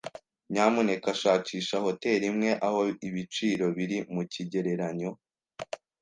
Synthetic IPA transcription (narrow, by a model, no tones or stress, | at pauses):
ɲaːmune̞kaʃaːt͡ʃiːʃaho̞te̞ːɾimŋe̞ʔaho̞iβit͡ʃiːɾo̞βiɾimuciɟe̞ɾe̞ɾaɲo̞